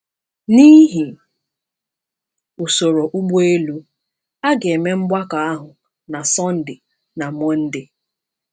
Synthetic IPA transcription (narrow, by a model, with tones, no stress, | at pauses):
ni˦ɦi˨ | u˨so˨ɾo˨ʔu˦ɡ͡bu˦e˦lu˦ | a˦ɡe˨me˦ŋ͡m̩˦ɡ͡ba˦ka˨a˦ɦʊ˨ | na˨sɔ˦n̩˦dɪ˨ | na˨m˦ɔ˦n̩˦dɪ˦